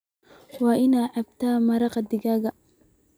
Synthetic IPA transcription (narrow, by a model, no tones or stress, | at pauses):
wɑːʔɪnaʕɑbt̪ʰaːmɐɾɑqɑd̪ɪɡaːɣɐ